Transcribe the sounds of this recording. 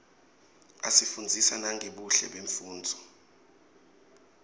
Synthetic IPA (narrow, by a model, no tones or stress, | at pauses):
asifund͡zʱisanaŋʱeɓuɬɛ̰ɓeɱfuːnd͡zʱɔ